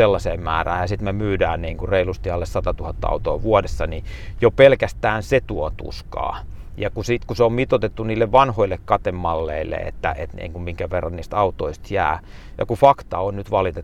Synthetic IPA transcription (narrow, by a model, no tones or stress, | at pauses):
elːɑseːmmæ̰ːræ̰ːjɑsit̪memyːdæːnniːŋkureilust̪iɑlːessɑt̪ɑt̪uhɑt̪ːɑɑ̰ut̪oːʋuodesːɑnijopelkæst̪æːnset̪uot̪ṵskɑ̰ː | jɑkusiːt̪kuseommit̪ot̪et̪ːuniːlːeʋʋɑnhoilːekkɑt̪emːɑlːḛilːḛḛt̪ːæ̰ḛt̪nḭːŋkummiŋkæʋerːɑniːst̪ɑut̪oist̪jæ̰ː | jɑ̰kufɑkt̪ɑonnyt̪ʋɑlit̪e